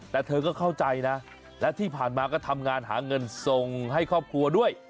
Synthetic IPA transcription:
t̪ɛː˨˧˩t̪ʰɤː˧kɔː˥˩kʰa˥˩wt͡ɕa˧jna˦˥ | lɛː˦˥wt̪ʰiː˥˩pʰaː˨˩nmaː˧kɔː˥˩t̪ʰa˧mŋaː˧nɦaː˩˦ŋɤ˧nso˧ŋɦa˥˩jkʰɔː˥˩p̚kʰu˧ɐdu˥˩əj

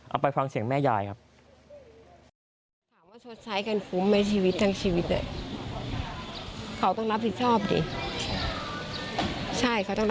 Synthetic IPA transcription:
ʔa̰˧wpa˧jfa˧ŋsi˩əŋmɛː˥˩jaː˧˩jkʰa˦˥p̚ | t̪ʰaː˩˦mwaː˥˩t͡ɕʰo˦˥t̪̚sʰa˦˥jka˧nfʰuː˦˥mna˧˥jt͡ɕʰiː˧wi˦˥t̪̚ʰːaː˧ŋt͡ɕʰiː˧wi˦˥t̪̚na̰˧˩ | kʰa˦˧˥wt̪ɔ˥˩ŋɾa˦˥p̚ʰi˨˩t̪̚t͡ɕʰɔː˥˩p̚dḭː˧˩ | t͡ɕʰa˥˩jkʰa˧˥wt̪ɔ˥˩ŋ˧

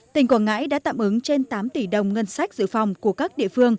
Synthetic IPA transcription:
ï˨˩ŋ̟kwaː˧˩ŋa̰ː˧˥jɗa̰ː˧˥t̪a̰ː˧˨mʔɨ˨˦ŋt͡ɕe˧nt̪aː˨˦mt̪i˧˩ɗə˨˩wŋ͡mŋə˧nsa˦˥jk̟̚zɨ̰˧˨fa˨˩wŋ͡mku˧˩əkaː˦˥k̚ɗḭ˧˨əfɨ˧əŋ

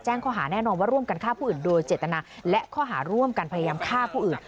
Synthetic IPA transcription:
t͡ɕɛː˥˩ŋkʰɔː˥˩ɦaː˩˦nɛː˥˩nɔː˧nwaː˥˩ɾu˥˩əmka˧nkʰaː˥˩pʰuː˥˨ɯː˨˩ndoː˧jt͡ɕeː˨˩t̪ːa˧naː˧lɛ˦˥kʰɔː˥˩ɦaː˩˦ɾu˥˩əmka˧npʰa˧ja˧jaː˧mkʰaː˥˩pʰuː˥˩ʔɯː˨˩n

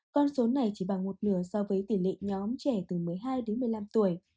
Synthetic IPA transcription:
kɔ˧nso˨˦na˨˩jt͡ɕi˧˩ɓa˨˩ŋmo˨˩t̚nɨ˧˩əsɔ˧vəː˨˦jt̪i˧˩lḭ˧˨ŋɲɔ˨˦mt͡ɕɛ˧˩t̪ɨ˨˩mɨ˨˩əjɦaː˧jɗe˨˦nmɨ˨˩əjla˧mt̪u˧˩əj

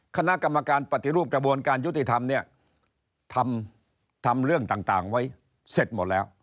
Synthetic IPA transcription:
kʰa˧na˦˥ʔka˧mːa˧kaː˧npɾa˨˩t̪ːi˨˧ɾuː˥˩p̚kɾa˧bu˧ənkaː˧nju˦˥t̪i˨˩t̪ʰa˧mni˥˩ɐ | t̪ʰa˧m | t̪ʰa˧mɾɯ˥˩əŋt̪aː˨˩ŋt̪aː˨˩ŋwa˦˥˩j | se˨˩t̪̚mo˨˩t̪̚lɛː˦˥w

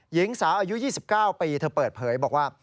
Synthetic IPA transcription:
ji˨˦˥ŋsaː˩˦wʔaː˧ju˦˥jiː˥˩si˨˩p̚kaː˥˩wpiː˧t̪ʰɤː˧pɤː˨˩t̪̚pʰɤː˩˦jbɔː˨˩k̚waː˥˩

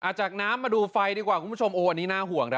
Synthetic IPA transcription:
ʔaː˨˩t̪̚t͡ɕaː˨˩k̚naː˦˥mːaː˧duː˧fa˧jdiː˧kwaː˨˩kʰu˧˦˥t͡ɕʰo˧mʔoː˧ʔa˧nːiː˦˥naː˥˩ɦu˨˩˦əŋɾʰa˦˥

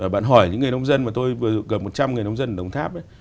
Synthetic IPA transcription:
aː˨˩ɓa̰ː˧˨nɦɔ˧˩jɲɨ̰˧˥ŋːɨ˨˩jnə˧wŋ͡mzə˧nmaː˨˩t̪o˧jvɨ˨˩ə˨ɣə˨˩p̚mo˨˩t̚t͡ɕa˧mŋɨ˨˩jnə˧wŋ͡mzə˧n˨ɗə˨˩wŋ͡mt̪ʰaː˦˥p̚ʔə˨˦j

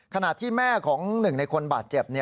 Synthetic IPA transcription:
kʰa˧na˨˩t̪ʰiː˥˩mɛː˥˩kʰɔː˩˦ŋnɯ˨˩ŋna˧jkʰo˧nbaː˨˩t̪̚t͡ɕe˨˩p̚ni˦˥

